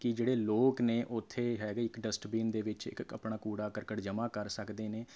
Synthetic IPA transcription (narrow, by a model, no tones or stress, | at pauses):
kɪd͡ʒeːɽeːloːkneːʔʊt̪ʰːeːɦɛːɡɪkɖəsʈbiːnd̪eːʋɪt͡ʃɪ̰kə̰pɳaːkuːɽaːkəɾkəʈd͡ʒəmaːkəɾsəkd̪eːneː